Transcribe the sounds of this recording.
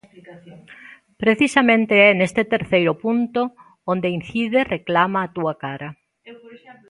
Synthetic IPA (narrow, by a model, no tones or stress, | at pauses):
pɾeθisɐmẽnt̪eɛnest̪et̪eɾθejɾʊpunt̪o | ond̪ein̟θiðereklamɐːt̪uɐkaɾɐ